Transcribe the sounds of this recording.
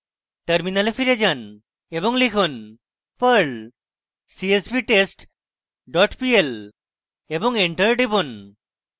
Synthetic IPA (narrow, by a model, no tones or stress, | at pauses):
ʈəɾminalefʰiɾed͡ʒan | ebɔŋlikʰun | pəɾl | siespiʈesʈ | ɖɔʈpiel | ebɔŋeɳʈəɾɖibun